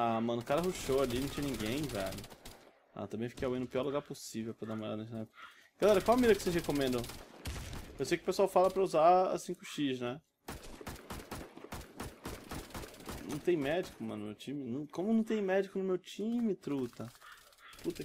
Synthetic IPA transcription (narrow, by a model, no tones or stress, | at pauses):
amɐ̃nʊkaɾɐɦuʃoalinɐ̃t͡ʃɲɐ̃nĩɡẽj̃vɛ̰lʊ | a̰t̪ɐ̃mbẽj̃fi̥kejawẽnʊpiɔɾluɡaɾposivewpɾɐd̪amaa̰nɐʒnɛp | ɡ̥alɛɾɐkwawamiɾɐkɪ̥sezhekõmẽnd̪ɐ̃w̃ | ewsejkɪʊ̥pesuawfalɐpɾɐuzaa̰sĩkʊʃiʃnɛ | nɐ̰̃w̃t̪ẽj̃mɛd͡ʒikʊmɐ̃nʊmewt͡ʃĩmɪñw̃kõmʊnɐ̃w̃t̪ẽj̃mɛd͡ʒikʊnʊmewt͡ʃĩmɪt̪ɾut̪ɐ | put̪ɐ